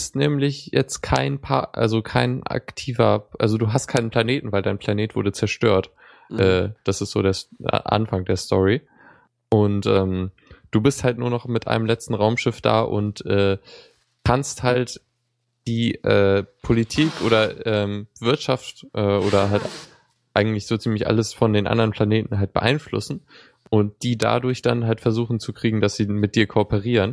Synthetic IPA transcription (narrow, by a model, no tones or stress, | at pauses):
stnɛːmlɪçjɛt͡stkʰaɪnpʰa̰ʔa̰lzokʰaɪnʔa̰ktʰiːvɐʔa̰lzoduːɦast̚kʰaɪnənpʰl̥aneːtn̩vaɪldaɪnpl̥aneːtv̥ʊɐdət͡sɛɐʃtøːɐt | ʔɛːd̥asɪstz̥oːdeːɐ̰ʔa̰nfaŋdeːɐstʰɔʁi | ʔʊntʔɛːm | d̥uːbɪsthaltnuːɐnɔχmɪtʔa̰ɪnəmlɛt͡stn̩ʁaʊmʃɪfd̥a̰ːʔʊ̰ntʔɛː | kʰansthalt | d̥iːʔɛːpʰolitʰiːkʔoːdɐʔɛːmvɪɐtʃaftʔɛːʔoːɾɐɦalt | ʔaɪɡŋ̩tlɪçz̥oːt͡siːmlɪçʔa̰ləsfɔndeːnʔa̰ndɐʁənpʰl̥aneːtn̩ɦalt̚b̥ə̰ʔa̰ɪnflʊ̰sn̩ | ʔʊnt̚d̥iːda̰dʊɐçd̥anɦaltfɛɐzuːχn̩t͡sukʁ̥iːɡŋ̩dasz̥iːmɪt̚d̥iːɐkʰopəʁ̞iːʁən